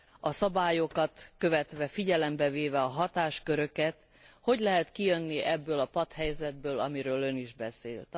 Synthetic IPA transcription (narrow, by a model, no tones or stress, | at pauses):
ɒsɒbaːjo̞kɒt̪kø̞vɛt̪ʋɛfiɟɛlɛmbɛveːvɛɒɦɒt̪aːʃkø̞ɾø̞kɛt̪ | ho̞ɟlɛɦɛt̪kijønːiʔɛbːøːlɒpɒt̪hɛjzɛd̪̚bøːlɒmiɾøːlø̞niʒbɛsḛːlt̪